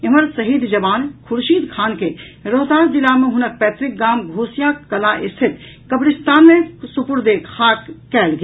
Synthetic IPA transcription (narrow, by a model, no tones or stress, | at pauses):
ɐmɐɾsɐɦiːd̪d͡ʒɐbaːnkʰʊɾʃiːd̪kʰaːnke | ɾoɦt̪aːɾd̪ɪlaːmẽɦʊnək̚pɛːt̪ɾɪk̚ɡaːmɡʱoːsjakɐlaʔɪst̪ʰɪt̪ | kɐbɽɪst̪aːnmẽsʊpʊɾd̪eːkhaːkːɛːlɡ